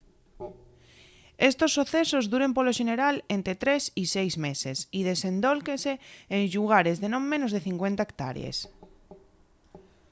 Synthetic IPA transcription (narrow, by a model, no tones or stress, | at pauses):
est̪osːoθesozðuɾempoloʃeneɾalent̪ɾet̪ɾesisejzmesesiðesẽnd̪olkeseːnʎuɣ̞aɾezðenõŋmẽnozðeθiŋkwent̪aekt̪a̰ɾj̰ḛs